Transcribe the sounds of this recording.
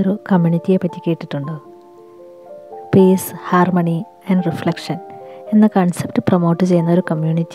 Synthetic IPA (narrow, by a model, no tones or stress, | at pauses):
oɾukɐmːjuɳitːijepːɐtːi̥kʲːeːʈːiʈːuɳɖɨ | piːshaːrmɐɳi | ɐɳɖriflɐkʂɐnenːɐkɐɳsepʈɨprɐmo̞ːʈːɨt͡ɕe̞junːɐo̞ɾukɐmjuːnitː